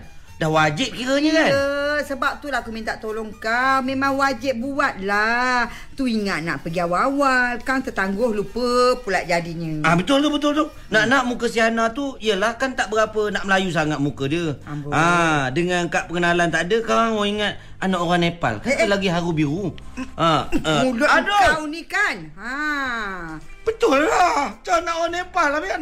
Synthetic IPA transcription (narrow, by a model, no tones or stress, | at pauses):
dahwad͡ʒɪp̚kiɾəɲəkanəsəbap̚t̪ulakumint̪aʔt̪olɔŋkamemaŋwad͡ʒɪp̚buat̪̚la | t̪uiŋaʔ̪̚naʔpəɡiawawalkaŋt̪ət̪aŋɡʊhlupəpulaʔ̚d͡ʒadiɲə̃abət̪ʊlt̪obət̪ʊlt̪oh | naʔnaʔmukəsiɦanat̪uijəlahkant̪aʔbəɡapənaʔməlajus̬aŋat̪̚mukədiəadəŋankaʔpəŋənalant̪adəkaɾaŋwoiŋat̪̚ | anaʔoɾaŋnepa̰lkannt̪əlaɡiɦaɾubiɣuaəmulʊadoaunikan | a | b̥ət̪ʊlːaht͡ʃanaʔoɾaŋnepalːabian